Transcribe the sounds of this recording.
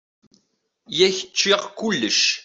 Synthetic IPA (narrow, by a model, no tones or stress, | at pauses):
jæçə̥t͡ʃːiʁkːʊlːəʃ